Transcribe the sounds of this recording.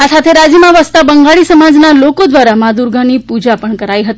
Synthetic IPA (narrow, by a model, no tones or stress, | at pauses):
asat̪ʰeɾad͡ʒimãʋəst̪abəŋɡaɭisəmad͡ʒnalokod̪ʋaɾamad̪uɾɡʱanipud͡ʒapəɳkəɾaiɦət̪i